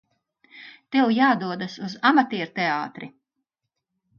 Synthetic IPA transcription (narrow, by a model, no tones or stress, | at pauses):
t̪ewjaːd̪uɔd̪asuzamat̪iɛɾt̪eaːt̪ɾi